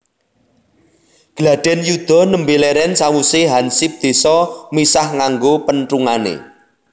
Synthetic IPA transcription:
ɡ̥əlaɖ̪̥ɛ̤njud̪̥ɔ̤nəmbeleɾɛnsawuseɦansip̚d̪̥e̤sɔmisahŋaŋɡopənʈruŋanḛ

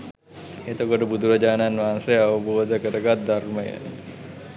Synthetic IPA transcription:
et̪okoʈəbud̪ʱuɾɐd͡ʒaːnanʋansejɐʋəboːd̪ʱəkəɾəɡat̪̚d̪aɾməjə̰n

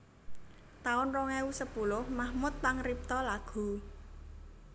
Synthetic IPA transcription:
t̪aʊnrɔŋɛusəpulʊhmahmʊt̪ːaŋrip̚t̪ɔlaɡ̥ṳ

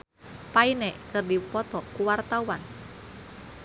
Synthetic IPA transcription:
painekɨrdipɔt̪ɔkuwart̪auan

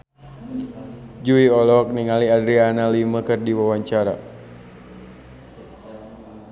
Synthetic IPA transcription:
d͡ʒuiɔlɔk̚niŋaliadɾianaliməkɨrdiwawaɲt͡ʃaɾa̰

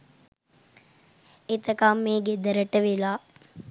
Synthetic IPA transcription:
et̪ɐkaːmːeːɡed̪ɐɾəʈəʋelaː

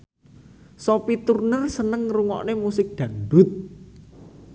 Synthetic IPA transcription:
sopit̪urnərsənəŋruŋɔ̰ʔnemusɪk̚d̪̥ä̤ŋdʊt̪̚

